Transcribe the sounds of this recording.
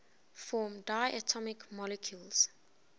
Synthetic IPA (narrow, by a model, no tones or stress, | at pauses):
fɔːmdaɪʔətʰɔmɪkmɔlɛkʰjulz̥